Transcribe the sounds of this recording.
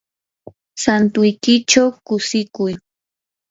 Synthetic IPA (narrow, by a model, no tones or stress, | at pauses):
sant̪ʊjkɪt͡ʃawkʊsɪkʊj